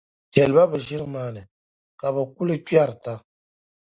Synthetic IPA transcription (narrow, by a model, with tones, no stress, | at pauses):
tɛ˨lba˦bɛ˨ʒi˦ɾɨ˦maː˨nɨ˨ | ka˨bə˨ku˦lɨ˦t͡ʃa˦ɾta˦